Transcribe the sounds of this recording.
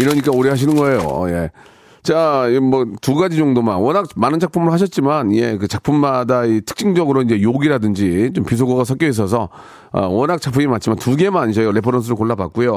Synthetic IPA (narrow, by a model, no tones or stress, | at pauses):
iɾʌɲik͈aoɾiɦaɕ̬ʰinɯnɡʌe̞jo̰je̞̰ | t͡ɕamʌtuɡad͡ʑid͡ʑʌŋdomanwʌnɦak̚manɯnd͡ʑʰak̚pʰumɯɭhaɕ̬ʰʌt̚t͡ɕ͈imanije̞kɯt͡ɕak̚pʰumːadaitʰɯ̥k̚t͡ɕ͈ʰiŋd͡ʑʌɡɯɾoind͡ʑe̞joɡiɾadɯnd͡ʑit͡ɕompis̬ʰoɡoɡas̬ʰʌk͈jois̬͈ʰʌs̬ʰʌ | ʌ̰wʌnɦak̚t͡ɕak̚pʰumimant͡ɕʰimantuɡe̞maɲiɕʰʌjoɾe̞pʰʌɾʌns̬ʰɯɾoɭkoɭːaba̰k͈̚ujo